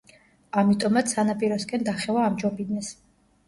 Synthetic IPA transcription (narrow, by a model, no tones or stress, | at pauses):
amit̪ʼɔmat̪sʰanapʼiɾɔskʼɛnd̪aχɛvaːmd͡ʒɔbid̪nɛs